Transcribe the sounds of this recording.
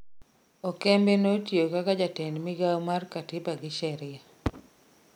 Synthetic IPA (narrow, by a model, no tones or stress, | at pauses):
ɔkɛmbenotjokakad͡ʒatɛnmɪɡawmarkatɪpaɡɪʃɛɾɪa